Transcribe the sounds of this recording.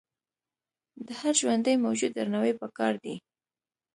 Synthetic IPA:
d̪əhaɾʒwand̪əjmawd͡ʒud̪ːaɾnawejpəkɑɾd̪i

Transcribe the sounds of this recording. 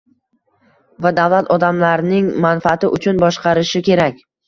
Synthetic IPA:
vad̪avlat̪ʰɒd̪amlaɾnɪŋmanfaat̪ɪʔʊt͡ʃʰʊnbɒʃqɑɾɪʃɪkʲʰe̞ɾakʲ

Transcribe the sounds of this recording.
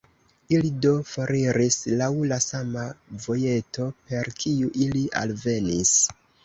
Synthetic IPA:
ilido̞foɾiɾislawlasamavo̞je̞to̞pe̞ɾkʰiuʔiliʔa̰lve̞nis

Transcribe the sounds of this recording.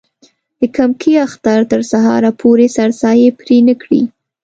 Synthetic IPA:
d̪̥əkamkʰiaxt̪aɾt̪əɾsaɦɑ̰ɾapʰoɾesaɾsɑjepɾenəkɽḭ

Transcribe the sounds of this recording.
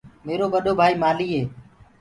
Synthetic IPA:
meːɾoːʋəɗoːbʱaːiːmaːliːɦeː

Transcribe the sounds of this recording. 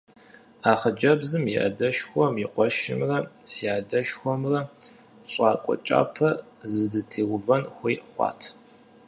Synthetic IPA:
aːχəd͡ʒɐbzɨmiʔɐ̰dɐʃxʷɔmiqʷʼɔʃɪ̰mrɐsiaːdɐʃxʷɔmrɐ | ɕʼaːkʷʼɔ̰t͡ʃʼa̰ːpʰɐ | zɨdɨtʰeːwʊvɐnxʷiːχʷɑ̰ːtʰ

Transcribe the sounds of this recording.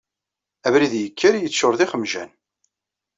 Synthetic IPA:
ævɾiðjəkʰːæɾjət͡sːʊɾðɪχəmʒæ̰n

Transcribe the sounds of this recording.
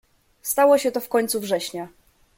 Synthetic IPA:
st̪awɔɕɛt̪ɔfkɔɲʲt̪suvʐɛɕɲa

